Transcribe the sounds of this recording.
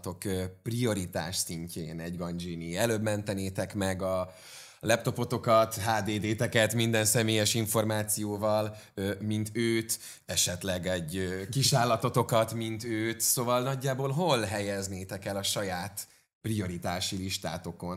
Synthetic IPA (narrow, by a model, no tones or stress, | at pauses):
t̪o̞køprio̞ɾit̪a̰ːʃsiɲcʰeːnɛɟɡɒnd͡ʒiːniɛløːbmɛnt̪ɛneːt̪ɛkmɛɡɒ | lɛp̚t̪o̞po̞t̪o̞kɒt̪ɦaːd̪eːd̪eːt̪ɛkɛt̪mind̪ɛnsɛmeːjɛʃiɱfo̞rmaːt̪sijoːvɒlømint̪øːt̪ | ɛʃɛt̪lɛɡɛɟkiʃaːlːɒt̪o̞t̪o̞kɒt̪mint̪øːt̪soːvɒlnɒɟːaːboːlɦo̞lɦɛjɛzneːt̪ɛkɛlɒʃɒjaːt̪ | prio̞ɾit̪aːʃiliʃt̪a̰ːt̪o̞ko̞n